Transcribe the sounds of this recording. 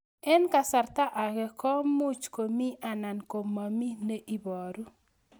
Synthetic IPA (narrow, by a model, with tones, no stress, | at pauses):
ɛ˦nka˨sa˨rt̪a˦ʔa˨ɡɛ˨kɔ˦mu˦t͡ʃko˨mi˦a˨na˨nko˨mːa˨mi˦ne˦ʔi˦bɔ˨ɾu˦